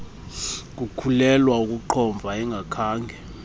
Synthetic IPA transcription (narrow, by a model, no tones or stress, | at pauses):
k̬ukʰulɛlwauk̬ʼuǃʰɔɱb̪vʱaɛŋɡʱakʰaːŋɡʱɛ